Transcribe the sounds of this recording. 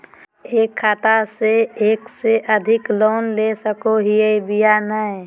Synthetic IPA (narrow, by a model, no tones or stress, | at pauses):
eːkʰːaːt̪aseeːkseʔəd̪ʱɪkloːnlesəkoɦiebijanəe